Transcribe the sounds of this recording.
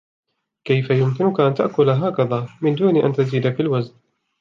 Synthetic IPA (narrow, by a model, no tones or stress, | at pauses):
kajfajʊmkɪnʊkaʔant̪aʔkʊlaɦaːkaðaːmɪnd̪uːniʔa̰nt̪aziːd̪afilwazn